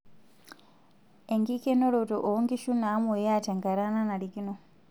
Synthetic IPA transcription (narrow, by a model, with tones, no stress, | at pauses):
e˨ŋɡi˦ke˦no˦ɾo˨to˨ʔo˨˦ŋɡi˦ʃu˦na˨˦mu˨ja˦˨ta˨ŋɡa˨ɾa˦na˦na˨ɾi˨ɡi˦no˨